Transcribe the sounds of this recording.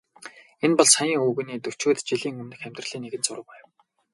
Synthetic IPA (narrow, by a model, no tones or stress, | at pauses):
enpɔɮsajiːŋuːɣɘ̆niːt̪ɵw̥t͡ɕuːt̪t͡ɕiɮiːŋɵmnɘ̆xæm̥ʲt̪rə̆ɮ̥iːŋnːeɣɘ̆nt͡sʊɾʊ̆pæ̆ːw